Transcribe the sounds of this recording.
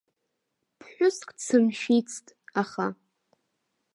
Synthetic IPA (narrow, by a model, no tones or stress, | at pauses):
pʰħᶣʷʊskʼt͡sʰɨmʃit͡sʰtʼaχa